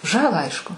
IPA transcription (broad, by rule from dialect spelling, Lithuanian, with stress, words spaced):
ˈʒɑːlˠɑː ˈɐɪʃkʊ